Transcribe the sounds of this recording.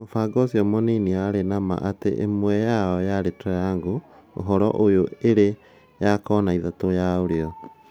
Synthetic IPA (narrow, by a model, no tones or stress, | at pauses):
ofaɡɔsiɔmɔniniaɾenama̰ʔatḛʔḛmwɛjaɔjaɾetʰɛɾaŋɡoo̰ɦɔɾɔ̰ʔojoeɾe | jakɔːnaiðatojaoɾeɔ